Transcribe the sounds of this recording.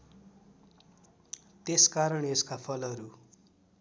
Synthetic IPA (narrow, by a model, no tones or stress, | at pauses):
t̪eskaɾʌɳeskapʰʌlʌɾu